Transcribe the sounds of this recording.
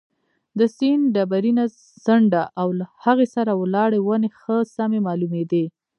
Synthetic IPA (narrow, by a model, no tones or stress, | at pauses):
d̪əsinɖabaɾina | z̥aɳɖaʔawlahaɣesaɾawlɑɽewənexəsamemɑlumed̪e